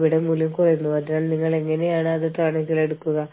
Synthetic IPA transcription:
ʋiɽemuljɐmkurɐjunːuʋɐt̪naːlniŋːɐɭe̞ŋːɐne̞jaːɳɨɐðɨtraːɳiŋsile̞ɽukːuɣɐ

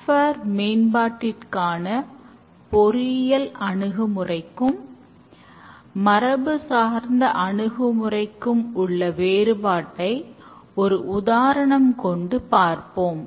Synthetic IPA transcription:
fɐɾmeːnbaːʈːɪrkaːnɐ | pɔɾɪjɐlʔɐɳɯɣɯmɯrɐɪkːɯm | ɐɾɐbɯsaːɾnd̪ɐʔɐɳɯɣɯmɯrɐɪkːɯmʊɭːɐʋeːɾɯbaːʈːɐɪɔɾɯʔʊðaːɾɐɳɐmkɔɳɖɯpaːɾpoːm

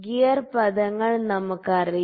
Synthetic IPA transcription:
ɡijɐrpɐðɐŋːɐɭnɐmukːɐri

